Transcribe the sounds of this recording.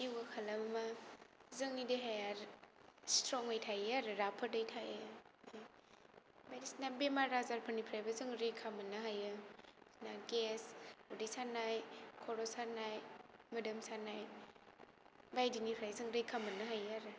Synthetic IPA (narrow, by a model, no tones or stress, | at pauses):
ewɡakʰalamamazɯŋideɦajaɾstɾɔŋɯjtʰajaɾɯɾapʰədɯjtʰajɯ | bajdisnabemaɾazaɾpʰɯnipʰɾajbazɯŋɾekʰamɯnɯɦajɯsnaɡesudisanajkʰɔɾɔsanajmɯdɯmsanaj | bajdinipʰɾajzɯŋɾɯjkʰamɯnːɯɦajaɾɯ